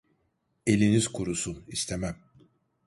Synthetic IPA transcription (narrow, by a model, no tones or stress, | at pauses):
e̞lʲiniz̥kʰuɾusunist̪ʰemæm